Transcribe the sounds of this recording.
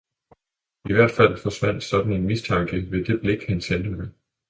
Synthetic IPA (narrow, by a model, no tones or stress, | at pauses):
iʋæɐ̰d̥fæl̰fɒ̽sʋæn̰d̥sɒ̽d̥n̩e̝nmist͡sʰɑ̈ŋɡ̥əʋe̝d̥e̝b̥le̝ɡ̥hænsend̥əme